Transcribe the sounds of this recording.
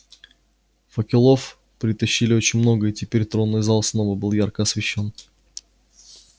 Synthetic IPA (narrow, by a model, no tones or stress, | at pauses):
fəkʲɪlˠo̞f | pɾʲɪt̪ɐɕːilʲɪo̞t͡ɕɪnʲmno̞ɡəitʲɪpʲeɾʲt̪ɾo̞nːɨjzalˠsno̞vəbɨlˠjarkəɐsvʲɪɕːo̞n